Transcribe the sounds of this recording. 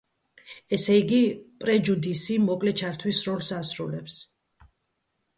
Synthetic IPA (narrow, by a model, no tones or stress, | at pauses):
ɛsɛiɡipʼɾɛd͡ʒud̪isimɔkʼlɛt͡ʃʰaɾt̪ʰwisɾɔlˠsasɾṵlɛps